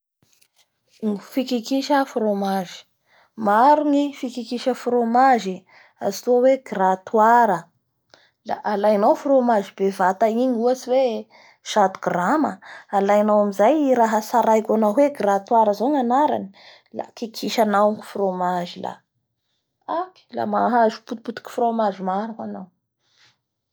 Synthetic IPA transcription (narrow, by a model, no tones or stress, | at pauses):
ŋifikikiʃəfromaʒi̥ | maɾuŋifikikiʃəfromaʒi | a̰zi̥t̪uaweɡrat̪waɾə | la̰ʔalajnawfromaʒib̥evat̪aiɲuasiwe | ʃat̪u̥ɡraməalajnawamizajɾaɦəsaɾajkʲanaɦweɡrat̪waɾəzoŋanaɾa̰ni | la̰kikʰiʃanawŋfromaʒila̰ | aki̥la̰maɦazu̥put̪̚put̪u̥ki̥fromaʒimaɾakanaw